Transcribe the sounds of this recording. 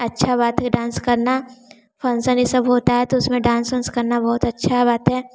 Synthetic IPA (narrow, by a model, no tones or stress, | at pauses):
ɐtːʃʰabaːt̪ɦɖãːnskɐɾna | fʰɐnsə̃nisɐbɦoːt̪aɦɛt̪oʊsmẽɖãːnsənskɐɾnabɔːʊt̪ɐtːʃʰabaːt̪ɦɛː